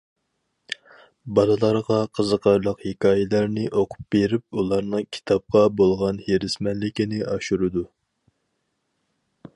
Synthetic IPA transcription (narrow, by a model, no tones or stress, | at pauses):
bɑlˠɨlˠɑɾʁɑqʰəzəqʰɑɾlˠəqhekʲɑːjɛlæɾnɪʔoqʰʊ̥p̚beɾɪp̚ulˠɑɾnɨŋkʲʰi̥t̪ʰɑp̚qʰɑbolˠʁɑnheɾɪsmɛnlɪkʲinɪʔɑʃuɾɨd̪u